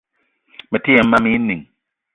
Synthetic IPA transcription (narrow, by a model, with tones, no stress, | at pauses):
mɛ˨ti˦ɛ˨m̩˦ma˦mi˦ni˨ŋ